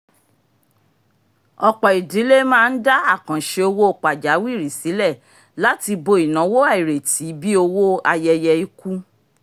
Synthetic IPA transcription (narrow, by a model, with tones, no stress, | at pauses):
ɔ˨k͡pɔ˨i˨di˨˦le˦mãː˦˧n̩˦da˦a˦˨kã˨ʃe˧o˧wo˦o˨k͡pa˨d͡ʒa˨˦wi˦˨ɾi˨si˨˦lɛ˦˨ | la˦ti˧bo˧i˨nã˨˦wo˦a˦˨i˨ɾe˨ti˨˦bi˦o˧wo˦a˧jɛ˧jɛ˧i˦ku˦